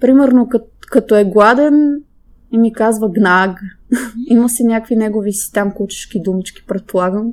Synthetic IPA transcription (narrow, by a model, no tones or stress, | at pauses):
pɾimɛɾnokə | kɐt̪oɛɡlˠad̪ɛn | imikazvəɡnaɡ | iməsinʲjakvinɛɡovisi̥t̪amkut͡ʃɛ̥ʃk̟id̪umit͡ʃkʲi̥pɾɛt̪̚polˠaɡəm